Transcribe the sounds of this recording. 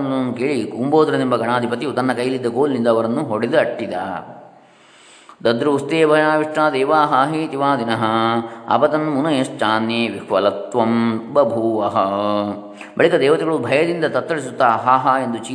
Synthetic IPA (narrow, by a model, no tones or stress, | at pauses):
nɐɐnːukeːɭikuːmboːd̪ɾɐd̪imbɐɡɐɳaːd̪ʱipɐt̪it̪ɐnːɐkɐjɐlid̪ːɐɡoːlnind̪ɐːʋɐɾɐnːuɦoɽed̪uɐʈːid̪ɐ̰ | d̪ɐd̪ɾuːst̪eːbʱɐjaːʋiʂʈaːd̪eːʋaːɦaːɦit̪iʋaːd̪inɐɦɐɐ̰pɐt̪ɐnːmunɐjɐst͡ʃaːnjeːʋikʰʋɐlɐt̪ʋɐmbɐbʱuːʋɐɦɐ | bɐɭikɐd̪ɛːʋɐt̪iɡɐɭubʱɐjɐd̪ind̪ɐt̪ɐt̪ːɐɭisut̪ːaɦaːɦɐend̪ut͡ʃiː